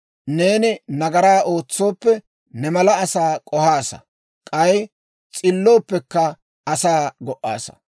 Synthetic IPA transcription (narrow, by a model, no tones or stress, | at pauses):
ne̞ːnɪnɐɡɐɾaːʔo̞ːt͡sːo̞ːpːɛ | nɛmɐlɐːsaːkʼɔhaːsɐ̰ | kʼɐj | t͡sʼɪlːo̞ːpːɛkːɐ | ɐsaːɡɔʔʔːa̰ːsɐ̥̰